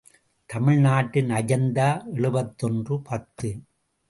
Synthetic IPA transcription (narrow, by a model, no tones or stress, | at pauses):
t̪ɐmɪɻnaːʈːɪnɐjɐnd̪aːɛɭɯbɐt̪ːɔndrɯpɐt̪ːɯ